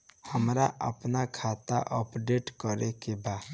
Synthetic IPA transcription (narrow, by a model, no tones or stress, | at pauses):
həmɾaʔa̰pnakʰat̪aʔɔpɖeʈkɔɾekeba